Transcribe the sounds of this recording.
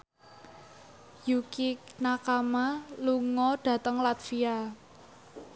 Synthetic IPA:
jukinakamaluŋɔɖ̥ä̤t̪əŋlat̪fia

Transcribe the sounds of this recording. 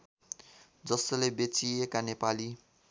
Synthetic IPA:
d͡zʌsʌlebet͡siekanepali

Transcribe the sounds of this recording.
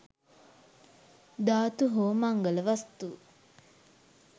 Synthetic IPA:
d̪aːt̪uɦoːmaŋɡələʋast̪u

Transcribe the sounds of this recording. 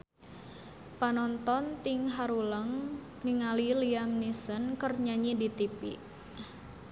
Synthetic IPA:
panɔnt̪ɔnt̪ɪŋɦaɾuləŋ | niŋaliliamnisənkərɲaɲidit̪ipḭʔ

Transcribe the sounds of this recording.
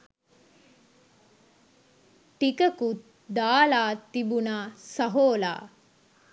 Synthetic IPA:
ʈikəkut̪ | d̪aːlaːt̪ːibunaːsɐɦoːla̰ː

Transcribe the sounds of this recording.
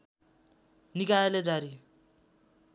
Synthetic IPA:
nikajeled͡zaɾi

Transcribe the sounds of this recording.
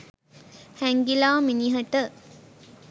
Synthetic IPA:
hæŋɡilaːminiɦəʈə

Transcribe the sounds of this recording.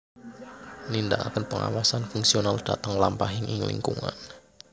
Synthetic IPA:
nindaʔa̰kənpəŋa̰wasanfuŋksionald̥at̪əŋlampaɦɪŋʔɪŋlḭŋkuŋa̰n

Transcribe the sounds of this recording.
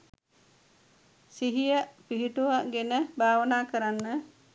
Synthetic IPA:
siɦijəpiɦiʈuʋəɡenəbʱaːʋənaːkəɾanːə

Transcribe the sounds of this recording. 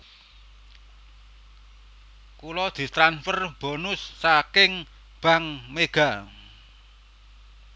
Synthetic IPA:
kulɔd̪̥i̤st̪ɾanfərb̥o̤nʊsːakɪŋ | b̥a̤ŋmeɡ̥a̤

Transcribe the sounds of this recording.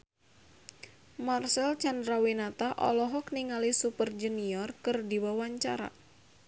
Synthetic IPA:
marsɛlt͡ʃandɾawinat̪aʔɔ̰lɔɦɔkniŋalisupərd͡ʒuniɔrkɨrdiwawaɲt͡ʃa̰ɾa̰

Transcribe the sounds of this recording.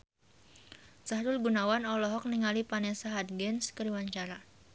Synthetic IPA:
saɦɾʊlɡunawanɔlɔɦɔk̚niŋalipanɛsaɦad̪̚ɡɛnskəɾiwaɲt͡ʃaɾa

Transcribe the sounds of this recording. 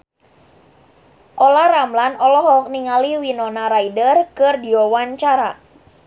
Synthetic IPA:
ʔɔlaramlanɔlɔɦɔk̚niŋaliwinɔnaɾaidərkɨrdiɔwaɲt͡ʃaɾa

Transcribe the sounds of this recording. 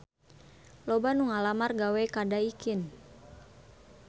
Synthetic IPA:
lɔbanuŋalamarɡawɛkadaikin

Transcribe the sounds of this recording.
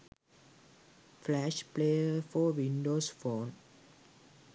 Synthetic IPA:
flæʃpleːəfɔʋĩnɖoːsfɔ̃ːn

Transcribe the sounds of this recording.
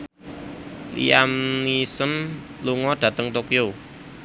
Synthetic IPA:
lḭamnisən | luŋɔɖ̥ä̤t̪əŋt̪okjo

